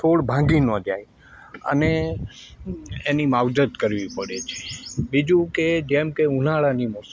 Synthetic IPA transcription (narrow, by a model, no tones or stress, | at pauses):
tʰoɽbʱãɡinod͡ʒaj | ə̰ne | enimawd͡ʒət̪kəɾʋipəɽet͡ʃʰe̥bid͡ʒũked͡ʒemkeũnaɭanimɔs